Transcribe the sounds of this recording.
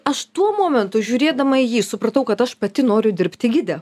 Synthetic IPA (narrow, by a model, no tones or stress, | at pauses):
ɐʃt̪uɔmoːmʲɛnt̪ʊʒʲuːɾʲeːd̪ɐmɐɪjiːsʊpɾɐt̪ɐʊkɐt̪ɐʃpɐt̪ʲɪnoːɾʲʊd̪ʲɪɾʲpʲt̪ʲɪɡʲɪd̪ʲɛ